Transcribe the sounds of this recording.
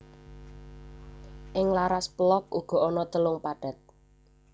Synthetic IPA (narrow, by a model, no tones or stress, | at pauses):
ʔɪŋlaɾasplɔk̚uɡ̥ɔ̤ɔnɔt̪əlʊŋpaɖ̥ä̤t̪̚